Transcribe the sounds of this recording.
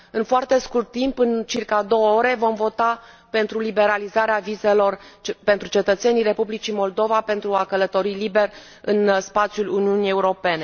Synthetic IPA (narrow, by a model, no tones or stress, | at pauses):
ɨnfoart̪e̞skurt̪ːimpɨnt͡ʃirkad̪o̞wəo̞ɾe̞vo̞mvo̞t̪a | pe̞nt̪ɾulibe̞ɾalizaɾeavize̞lo̞rpent̪ɾut͡ʃe̞t̪ət̪se̞nijre̞publit͡ʃimo̞ld̪o̞vape̞nt̪ɾuakələt̪o̞ɾilibe̞rʲ | ɨnspat̪sjuluniunije̞uɾo̞pe̞ne̞